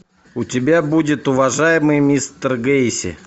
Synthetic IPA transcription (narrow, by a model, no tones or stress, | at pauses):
ʊtʲɪbʲabudʲɪt̪ʊvɐʐajɪmɨjmʲist̪ərɡeɪsʲɪ̰